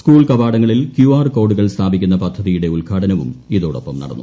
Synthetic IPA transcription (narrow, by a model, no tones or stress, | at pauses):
skuːɭkɐbaːɽɐŋːɐɭilkjuːaːrko̞ːɽuɣɐɭst̪ʰaːbikʲːunːɐpɐd̪ʱɐðijuɽe̞ulɡʰʱaːɽɐnɐʋṵmiðoːɽo̰pːɐmnɐ̰ɽɐ̰nːu